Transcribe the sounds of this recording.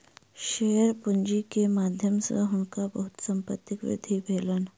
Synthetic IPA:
ɕejəɾpuɲd͡ʑikemad̪ʱjəmsə̰ɦuɳkabəɦut̪səmpə̰t̪ːikʋḭd̪ʱibʱelən

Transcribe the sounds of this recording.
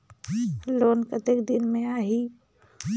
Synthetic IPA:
loːnkət̪ekd̪ɪnmẽaːɦi

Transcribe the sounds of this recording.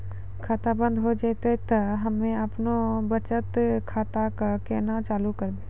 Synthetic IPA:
kʰaːt̪abə̃nd̪ɦod͡ʒat̪et̪ɐɦɐmːẽɐpnobət͡ʃət̪kʰaːt̪akakɛːnat͡ʃaːlukəɾb̪eː

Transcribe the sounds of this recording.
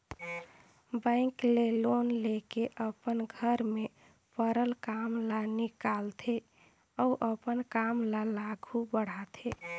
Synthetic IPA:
bə̃ɪ̃klelonlekeʔəpənɡʱəɾme | pəɾəlkamlanikalt̪ʰe | ɔuʔəpənkamlalaɡʱubəɽ̤at̪ʰe

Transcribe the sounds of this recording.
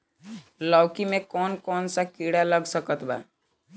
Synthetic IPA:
lɔwkimekɔnkɔnsakiɽaləɡsəkət̪ba̰

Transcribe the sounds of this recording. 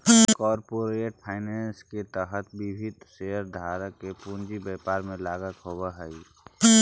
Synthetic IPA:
kɔːɾpoɾeːʈ̚pʰaːɪnɛːnsket̪əɦət̪bɪbʱɪd̪seɦəɾd̪ʱaːɾəkepund͡ʒibɛːpaːɾmẽlaːɡək̪ɦobaɦɛi

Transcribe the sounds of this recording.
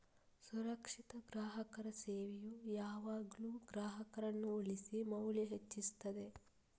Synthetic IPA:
suɾɐkʂit̪ɐɡɾaːɦɐkɐɾɐseːʋejujaːʋaːɡɐluːɡɾaːɦɐkɐɾɐnːuoɭisimɐwliɦet͡ʃːist̪ɐd̪e̞

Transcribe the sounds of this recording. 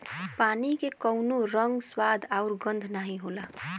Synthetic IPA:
paːnikekəʊnoɾəŋɡswaːd̪ʱaʊɾɡə̃nd̪ʱnaːɦĩɦoːla

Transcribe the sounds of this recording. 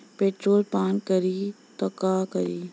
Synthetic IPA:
peːʈɾoːlpaːnkəɾiː | t̪ɐkakəɾiː

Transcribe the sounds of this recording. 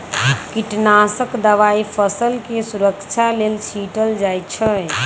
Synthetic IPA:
kiʈnasəkd̪əʋaipʰəsəlkesuɾəkt͡ʃʰalelsʰiʈəld͡ʒajt͡ʃʰəj

